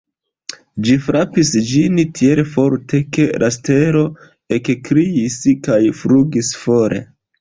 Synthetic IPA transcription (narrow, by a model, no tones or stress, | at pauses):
d͡ʒifɾapisd͡ʒintʰielfo̞ɾtʰe̞ke̞ɾʔaste̞ɾo̞ | ekkɾiiskajfɾuɡisfo̞ɾe̞̰